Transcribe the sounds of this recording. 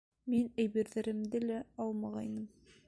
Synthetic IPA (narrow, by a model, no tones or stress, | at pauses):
minæ̆jβĭɾðɘ̆ɾɘ̆md̪ɘlæɑlˠmɑʁɑjnɤm